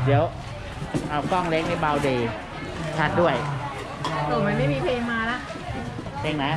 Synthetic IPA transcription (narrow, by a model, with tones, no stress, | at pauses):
di˨˦əw | ʔa˧wkɔ˥˩ŋle˦˥k̚na˦˥˩baː˧wdeː˧ | t͡ɕʰa˦˥˩t̪̚du˥˩əj | a˧˩t̪oː˨˩ma˧nma˥˩jmiː˧pʰleː˧ŋmːaː˧la˦˥ʔ | pʰeː˧ŋna˦˥